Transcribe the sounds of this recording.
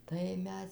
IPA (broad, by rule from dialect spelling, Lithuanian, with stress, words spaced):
ˈtɐɪ ˈmʲɛs